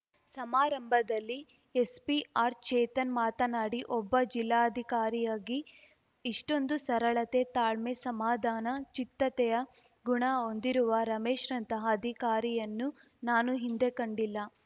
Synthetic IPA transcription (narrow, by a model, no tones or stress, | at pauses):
sɐmaːɾɐmbʱɐd̪ɐlːi | espiaːɾt͡ʃɛːt̪ɐnmaːt̪ɐnaːɽiʔɔbːɐd͡ʒilːaːɐd̪ʱikaːɾijaːɡiː | ʂʈo̞nd̪usɐɾɐɭɐt̪e̞t̪aːɭmesɐmaːd̪ʱaːnɐt͡ʃit̪ːɐt̪ɛjɐ | ɡuɳɐo̞nd̪iɾuʋɐɾɐmeːʃɾɐnt̪ɐɦɐːd̪ʱikaːɾijɐnːu | naːnuɦind̪ekɐɳɖilːɐ